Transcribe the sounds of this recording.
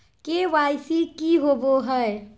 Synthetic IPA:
keʋajsikiɦoboɦəe

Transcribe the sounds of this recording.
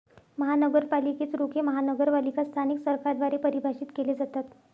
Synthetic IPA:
məɦanəɡəɾpaliket͡sɾokʰeməɦanəɡəɾʋalikast̪ʰaniksəɾkaɾd̪ʋaɾepəɾibʱaɕiːt̪keled͡zat̪at̪

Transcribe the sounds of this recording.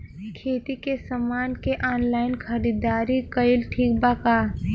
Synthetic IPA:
kʰeːt̪ikesɐmaːnkeʔaːnlaːɪnkʰɐɽid̪aːɾikəɪlʈʰiːk̚bakaː

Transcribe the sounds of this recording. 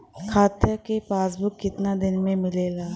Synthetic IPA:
kʰaːt̪jəkepaːs̬bʊkːɪt̪nad̪ɪnmẽmɪleːlaː

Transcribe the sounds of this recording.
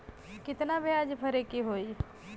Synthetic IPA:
kɪt̪nabʱiad͡ʒpʰəɾekiɦoːi

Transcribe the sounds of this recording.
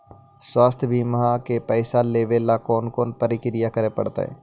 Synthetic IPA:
swaːst̪ʰjbʱimɦãkepɛːsaleːʋelakɔːnkɔːnpəɾɪkɾɪjakəɾepɐ̰ɽt̪a̰ɦɛ̰ː

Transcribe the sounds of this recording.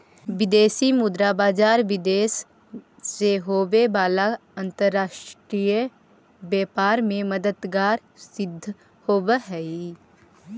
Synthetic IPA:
ʋɪd̪eːsimʊd̪ɾabaːd͡ʒaːɾʋɪd̪eːsː | eɦoːbebaːlaə̃nt̪əɾːaːʃʈɾiːjə | bɛːpaːɾmẽməd̪əd̪ɡaːɾ | sɪd̪ʱː | hoːbəɦɛi

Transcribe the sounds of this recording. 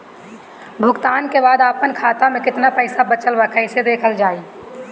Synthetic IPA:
bʱʊɡt̪aːnkebaːd̪aːpənkʰaːt̪amẽkɪt̪napəɪsabət͡ʃəlʋakʰəɪsed̪eːkʰəld͡ʒaːiː

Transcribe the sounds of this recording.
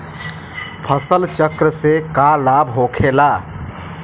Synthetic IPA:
pʰəsəlt͡ʃəkɾəsekalabɦokʰela

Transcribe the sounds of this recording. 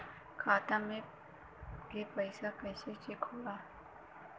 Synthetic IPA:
kʰaːt̪ãmẽ | kepəɪsapɛːset͡ʃekʰoːlaː

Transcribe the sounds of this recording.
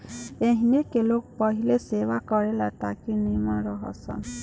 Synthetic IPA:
eɦinekelok̚pɔɦilesewakɔɹelat̪akinimaɾɔɦɔ̰sɔ̰n

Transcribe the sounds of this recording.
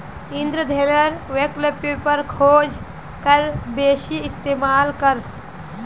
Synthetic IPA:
ɪ̃nd̪ɾəd̪ʱeːɾəɾʋeːklepepəɾkʰoːd͡ʒ | kəɾbeːʃiɪst̪eːmaːlkəɾ

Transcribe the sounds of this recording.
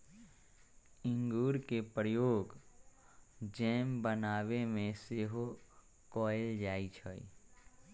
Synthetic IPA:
ɪ̃ŋɡuːɾkepɾəjoːɡ | d͡ʒɛːmbənaːwemẽseɦo | kɔːɪld͡ʒaːit͡ʃʰəḭ

